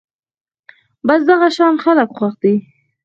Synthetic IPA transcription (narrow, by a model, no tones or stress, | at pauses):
bɑsd̪aɣaʃɑnxaləkxwaxd̪i